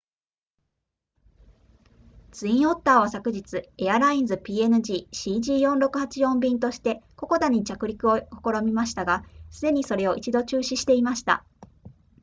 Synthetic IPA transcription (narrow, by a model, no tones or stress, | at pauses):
t͡sɨĩɰ̃o̞t̪ːaːβasakɯ̟ʑit͡sɨe̞aɾaĩd͡zɨpʲiːe̞nɯ̟ʑiːɕiːʑiːjõ̞nɾo̞kɯ̟hat͡ɕijõ̞mbʲĩnt̪o̞ɕi̥t̪e̞ko̞ko̞d̪aɲ̟it͡ɕakɯ̟ɾʲikɯ̟o̞ko̥ko̞ɾo̞mʲimaɕi̥t̪aɡasɨd̪e̞ɲ̟iso̞ɾe̞o̞ʔit͡ɕid̪o̞t͡ɕɨːɕiɕi̥t̪e̞imaɕi̥t̪a̰